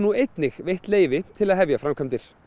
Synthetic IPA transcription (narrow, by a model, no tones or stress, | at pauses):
nuejt̪nɪxvejht̪leːjvɪt̪ʰɪlaðɦɛvjafɾamkʰœmt̪ɪɾ̥